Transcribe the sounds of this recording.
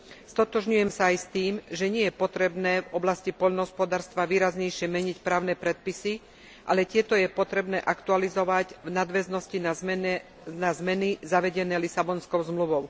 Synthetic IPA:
st̪ɔt̪ɔʒɲujɛmsaːjst̪iːmʒɛɲɪɛjɛpɔt̪ɾɛbnɛːvɔblascipɔʎnɦɔspɔd̪aːɾst̪ʋaʋiːɾazɲɛjʃɪɛmɛɲicpɾaːʊnɛːpɾɛt̪̚pisi | ʔa̰lɛt̪ɪɛt̪ɔjɛpɔt̪ɾɛbnɛːʔakt̪ualizɔʋaɟvnad̪ʋɛznɔscina | nazmɛnizaʋɛɟɛnɛːlisabɔnskɔʊzmluʋɔʊ

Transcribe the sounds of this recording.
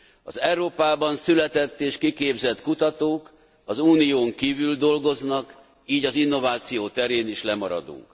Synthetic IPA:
ɒzɛwɾoːpaːbɒnsylɛt̪ɛt̪ːeːʃkikeːbzɛt̪kut̪ɒt̪oːk | ɒzuːnijoːŋkiːvyld̪o̞lɡo̞znɒk | iːɟɒzinːo̞vaːt̪sijoːt̪ɛɾeːniʃlɛmɒɾɒ̰d̪ṵŋk

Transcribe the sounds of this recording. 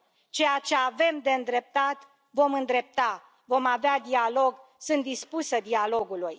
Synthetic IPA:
t͡ʃe̞jat͡ʃe̞ave̞md̪e̞ɨnd̪ɾe̞p̚t̪at̪ | vo̞mɨnd̪ɾe̞p̚t̪a | vo̞mavead̪ialo̞ɡsɨnt̪̚d̪ispusəd̪ialo̞ɡuluj

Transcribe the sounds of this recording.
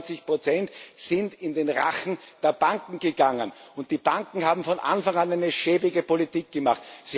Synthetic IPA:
t͡sɪçpʁ̥ot͡sɛntsɪntɪndeːnʁa̰xn̩d̥eːɐb̥aŋkŋ̩ɡ̥əɡaŋənʊnt̚d̥iːb̥aŋkŋ̩haːbm̩fɔnʔa̰nfaŋanæɪnəʃeːbɪɡəpolitiːk̚ɡ̥əmaχtsi

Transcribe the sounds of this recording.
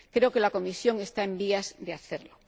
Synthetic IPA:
kɾeokelako̞misjõ̞ŋest̪aembiazðeaθeɾlo

